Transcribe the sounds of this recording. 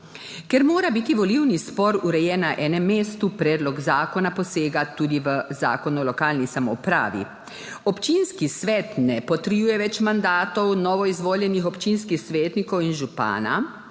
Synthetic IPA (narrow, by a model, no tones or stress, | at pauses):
kɛɾmoːɾabit̪iʋɔliwnispɔɾuɾɛjɛːnaʔɛːnɛmːeːst̪upɾɛːd̪lɔɡzaːkɔnapɔseːɡat̪uːd̪iʋəza̰ːkɔnuɔlɔkaːlnisamɔ̰pɾa̰ːʋḭ | ɔpt͡ʃinskisʋɛt̪nɛpɔt̪ɾjuːjɛʋɛt͡ʃmand̪aːt̪ɔwnɔːʋɔizʋoːljɛnixɔpt͡ʃinskixsʋeːt̪nikɔwinʒupa̰ːna̰